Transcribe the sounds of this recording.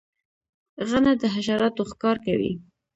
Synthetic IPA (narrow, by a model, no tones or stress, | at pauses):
ɣanad̪əɦaʃɑɾɑt̪oxkɑɾkawḭ